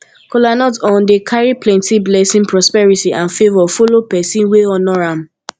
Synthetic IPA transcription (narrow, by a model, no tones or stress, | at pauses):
kolanɔtɔ̃ndekʰaɹiplɛ̃ntiblɛsĩnpɹɔspɛɹitiʔãnfevɔfolopɛsĩnweɔnɔɹam̩